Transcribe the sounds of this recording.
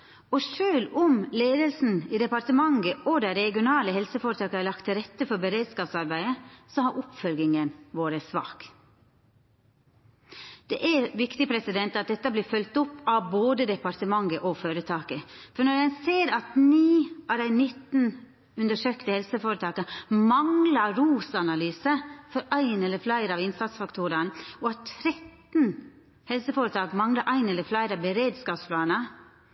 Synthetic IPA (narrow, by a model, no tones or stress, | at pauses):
ɔʂøːlʊmleːd̪əlsn̩id̪ɛpɑɾʈ̪əmɑŋɡəʔɔd̪æɪɾɛɡɪʊnɑːləɦɛlsəfoːɾət̪ɑːkəæɾlɑkt̪ʰːɪɾɛt̪ːəfɔɾbəɾeːd̪skɑːpsɑɾbæɪəsɔhɑɾʔʊpfœlɡɪŋənʋoːɾəsʋɑ̰ːk | d̪̥ɛʔæʋɪkt̪ɪpʰɾɛsɪd̪ɛnt̪ɑt̪̚d̪ɛt̪ːəbliːfœlt̪ʊpːɑʋboːd̪əd̪ɛpɑɾt̪əmɑŋɡəʔɔføːɾət̪ʰɑːkəfɔɳɔɾjæɪseːɾɑt̪niːʔɑʋd̪æɪnɪt̪n̩ | ʉnd̪əʂøːkt̪əhɛlsəfoːɾət̪ʰɑːkəmɑŋlɑɾuːsɑnɑlyːsəfɔɾæɪnɛlːəɾflæɪɾɑʋɪnsɑt̪sfɑkt̪ʰuːɾɑnɔɑt̪t̪ʰːɾɛt̪n | hɛlsəfoːɾət̪ʰɑːkmɑŋlɑɾʔæɪnɛlːəflæɪɾɑʋbəɾeːd̪skɑːpspʰlɑːnə